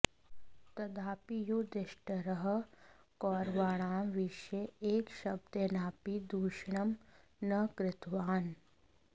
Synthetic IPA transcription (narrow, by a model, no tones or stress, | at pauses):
t̪ɐd̪aːpijoːd̪ɪʃʈəɾɐɦɐkɔːɾʋaːɽ̃aːʋiʃeeːkʃɐb̚d̪enaːpid̪uːʃɳɐmnɐkɾɪt̪ʋaːn